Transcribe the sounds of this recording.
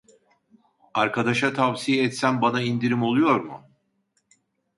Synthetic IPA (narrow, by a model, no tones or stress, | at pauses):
aɾkʰad̪aʃat̪ʰavsijɛɛt̪sænbanaind̪iɾimo̞lˠujo̞ɾmʊ̰